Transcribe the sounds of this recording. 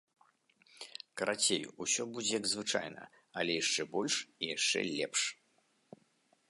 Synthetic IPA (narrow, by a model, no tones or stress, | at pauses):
kɐɾat͡sʲejṵusʲɔbud͡zʲɛjɐɡzvɨt͡ʂa̰jnɐ̰ | ɐlʲɛjaʂt͡ʂɛbɔlʲʂijaʂt͡ʂɛ̰lʲɛpʂ